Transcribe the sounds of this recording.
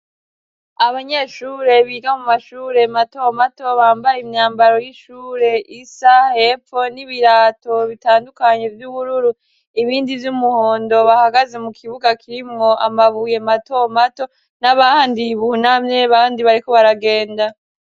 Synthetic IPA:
aβaɲe̞ːʃuːɾe̞βiɡamumaʃuːɾe̞mato̞mato̞βaːmbajimɲaːmbaɾo̞jiʃuːɾe̞ʔisahe̞fo̞niβiɾaːto̞βitaːndukaɲe̞vjuβuɾuɾu | iβiːndivjumuhoːndo̞βahaɡaze̞mukʰiβuɡakʰiɾimŋo̞ʔa̰maβuje̞mato̞mato̞ | naβaaːndiβunamɲe̞βaːndiβaɾiko̞βaɾaɡe̞ːnda

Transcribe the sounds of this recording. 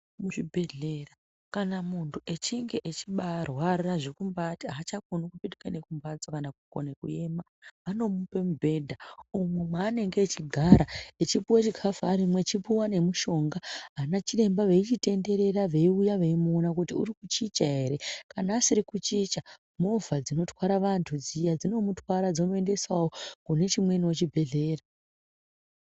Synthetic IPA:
muʐibʱe̞ɮera | kanamuntʰuʔe̞t͡ʃiŋɡe̞ʔet͡ʃiɓarwariraʐikumbatiat͡ʃakonukupitikane̞kumbad͡zokanakuko̰nekue̞ma | ano̞mupe̞mubʱe̞dʱaumwemaːne̞ŋɡe̞t͡ʃiɡʱaɾaet͡ʃipuwat͡ʃikʰafaːɾimwe̞t͡ʃipuwane̞muʃo̞ŋɡaɦanat͡ʃire̞mbaʋe̞it͡ʃite̞nde̞ɾe̞raʋe̞iujaʋe̞imonakutiṵɾikut͡ʃit͡ʃaɦe̞ɾe̞kanaːsiɾikut͡ʃit͡ʃa | movʱad͡zino̞twaɾaʋantʰud͡zijad͡zino̞mutwaɾad͡zomue̞nde̞swawo̞kune̞t͡ʃimwe̞niot͡ʃibʱe̞ɮe̞ːra

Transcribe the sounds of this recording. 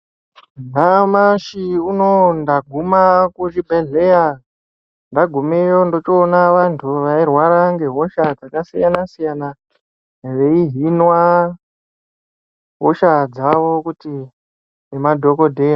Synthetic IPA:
namaʃiuno̞ndaɡʱumakut͡ʃibʱeɮeja | ndaɡʱumejo̞ndo̞t͡ʃionaʋantʰuʋairwaɾaŋɡe̞ɦo̞ʃad͡zakasijanasijana | ʐe̞iɦinwa | ɦoʃad͡zaʋo̞kuti | nemadʱo̞ko̞dʱe̞ja

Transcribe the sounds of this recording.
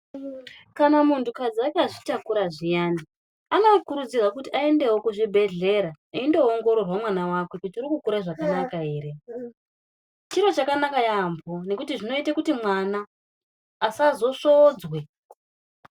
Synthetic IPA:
kanamuntʰukad͡ziakaʐitakuɾaʐijandi | ano̞kuɾud͡zirwakutiʔae̞nde̞wokuʐibʱe̞ɮe̞ɾa | iindo̞ːŋɡo̞ɾo̞rwamwanawake̞kutiurikukuɾaʐakanakaɦe̞ːɾe̞ | t͡ʃiɾo̞t͡ʃakanakajambʱo̞ne̞kutiʐino̞itakutimwanaː | sazo̞ʂod͡zwe̞

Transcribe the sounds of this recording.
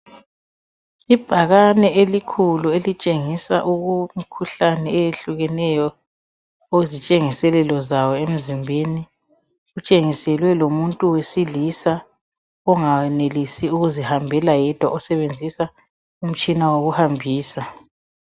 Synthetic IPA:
ib̥ʱaɣanɛʔelikʰuluelit͡ʃʼeŋisaʔuɣumikʰuɬanɛejeɬuɣɛnɛjɔ | oɣuzit͡ʃʼeŋisɛlɛlɔzawɔem̩zimbʱeni | ɣut͡ʃʼeŋisɛlwɛlomuntʼuwesilisa | ɔŋaɛnelisiuɣuzihambʱɛlajɛd̥ʱwaʔɔsɛβend͡zʱisa | um̩t͡ʃʼinawoɣuhambʱiːsa

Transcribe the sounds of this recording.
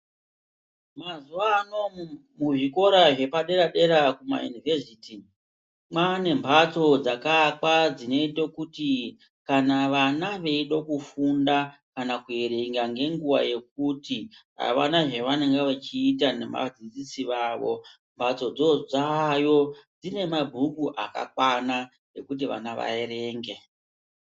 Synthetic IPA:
mazuano̞ | muʐiko̞ɾaʐe̞paɗe̞ɾaɗe̞ɾakuma̰jṵnivesiti | mane̞mbʱat͡so̞d͡zakakwad͡zine̞itokuti | kanaʋanaʋe̞iɗokufundakanakue̞ɾe̞ŋɡaŋɡe̞ŋɡuʋa̰je̞k̚utiɦa̰ʋa̰naʐe̞ʋane̞ŋɡeʋet͡ʃiːt̬ane̞ma̰d͡zid͡zisiʋaʋo̞ | mbʱat͡so̞d͡zo̞d͡zajo̞d͡zine̞mabʱukuʔaka̰kwana | ne̞̰kut̬iʋa̰naʋa̰eɾe̞ːŋɡe

